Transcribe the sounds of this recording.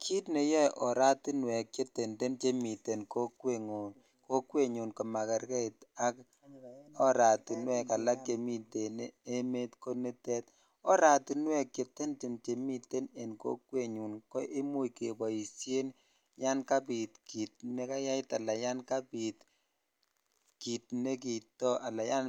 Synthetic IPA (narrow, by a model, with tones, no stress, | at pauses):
kʰi˦tne˨jɛ˦ʔɔ˨ɾa˦tu˦nwɛ˨kt͡ʃe˦te˨nde˦nt͡ʃe˦mi˨te˨nko˦kwe˦˨ŋo˨ | ko˦kwe˦ɲu˨nkɔ˨ma˨kɛ˨ɾkɛ˦˨ta˦k̚ | ɔ˦ɾa˨tu˨nwɛ˦˨ka˨la˦k̚ke˨mi˦te˨ne˦e˦me˦tko˦ne˦tɛ˦t̚ | ɔ˦ɾa˨tu˨nwɛ˦kːe˨tɛ˦nt͡ʃɪ˨mt͡ʃe˨mi˦te˦ne˨nko̰˦kwe˦ɲu˨nkɔ˦ʔe˦mu˦jke˨bɔ˨ji˨sje˦n | ja˦nka˦pi˨tki˨t̚ne˦ka˦ja˦ɪ˦ta˨la˨ja˦nka˦pi˨t | ki˨tne˦k̬i˨tɔ˦ʔa˨la˨ja˦n